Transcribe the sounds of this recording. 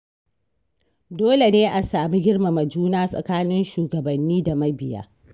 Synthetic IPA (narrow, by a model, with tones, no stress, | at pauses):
doː˦le˨neː˦ʔa˨saː˨mi˦ɡʲɪ˦ɽma˨mɐ˨d͡ʒuː˦naː˦sʼɐ̰˨kaː˦nɪ˦nʃuː˨ɡɐ˨bɐ˨nːiː˦da˨mɐ˦bɪ˨ja̰ː˦